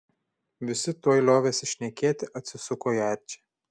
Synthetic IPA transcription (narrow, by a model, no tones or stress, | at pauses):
ʋʲɪsʲɪt̪uɔjlʲˠoːʋʲeːsʲɪʃʲnʲɛkʲeːt̪ʲɪʔɐt̪ʲsʲɪsʊkoːjɛɾʲt͡ʃʲe̥